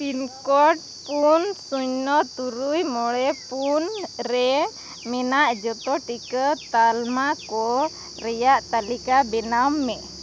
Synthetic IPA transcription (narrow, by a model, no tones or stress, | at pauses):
tinkɔʈ̚ | punsuɲnɔt̪uɾujmɔɽɛpunɾɛ | mɛnaʔd͡ʒɔt̪ɔʈikət̪almakɔ | ɾɛjaʔt̪alikabɛnamːɛ